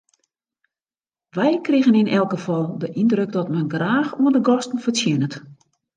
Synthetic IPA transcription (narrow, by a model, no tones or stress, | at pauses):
ʋɛjkrɪɣənɪnʔɛlˠkɡəfɔlˠdəʔindrøk̚dɔtmɛnɡraːxuəndəɡɔstn̩fərsjɪnət